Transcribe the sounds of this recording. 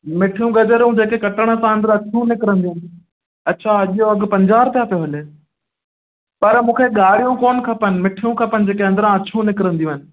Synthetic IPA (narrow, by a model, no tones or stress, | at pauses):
mɪʈʰijũɡɐd͡ʑəɾũd͡ʑeːkekɐʈəɽ̃ə̆sãə̃nd̪əɾɐt͡ɕʰũnɪkɪɾə̃nd̪ij̃ũɦnɪ | ɐtːt͡ɕʰaɐʄijoɐɠ̆pɐ̃ɲd͡ʑaːɾt̪jaːpijoɦɐle | pɐɾmũːkʰeɠaːɽ̤ijũkoːnkʰɐpənɪ̆mɪʈʰijũkʰɐpənɪ̆d͡ʑeːkeɐ̃nd̪əɾãɐt͡ɕʰũnɪkɪɾə̃nd̪iũɦɪnɪ̆